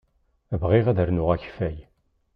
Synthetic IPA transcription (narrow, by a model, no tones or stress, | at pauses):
vʁiʁæðəɾnʊʁæçfæj